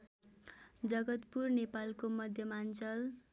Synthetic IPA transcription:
d͡zʌɡʌt̪purnepalkomʌd̪ʱjʌmant͡sʌl

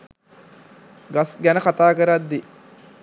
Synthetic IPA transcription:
ɡasɡænəkat̪aːkəɾad̪ːi

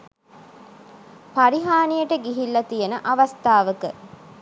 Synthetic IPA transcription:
paɾiɦaːnijəʈəɡiɦilːɐt̪ijənəʔaʋast̪aːʋəkə

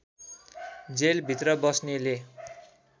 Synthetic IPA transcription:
d͡zelbʱit̪rʌbʌsnele

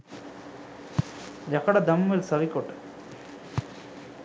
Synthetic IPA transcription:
ɾɐkɐɽɐd̪ɐmːɐlsɐrikʲːoʈːɨ̥

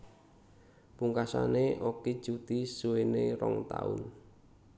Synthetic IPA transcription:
puŋkasa̰neʔokid̥ʒ̥ut̪isuweneɾɔŋt̪aʊ̰n

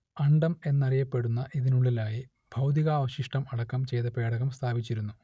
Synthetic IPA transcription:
ɐɳɖɐme̞nːɐrijɐpːe̞ɽunːɐʔiðinuɭːilaːji | bʱɐwd̪iɣaːʋɐɕiʂʈɐmɐɽɐkːɐmt͡ɕe̞jt̪ɐpe̞ːɽɐɣɐmst̪ʰaːbit͡ɕːiɾunːu

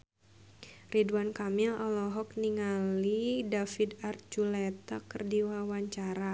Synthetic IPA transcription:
riduankamilalɔɦɔk̚niŋalidafidart͡ʃulɛt̪akərdiwawaɲt͡ʃaɾa

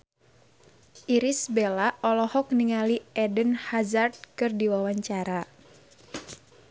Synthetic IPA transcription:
ʔiɾisbelaʔɔlɔhɔk̚niŋaliɛdənhazard̪̚kɨrdiwawaɲt͡ʃaɾa

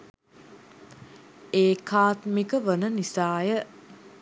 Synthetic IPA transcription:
eːkʰaːt̪mikəʋənənisaːjə

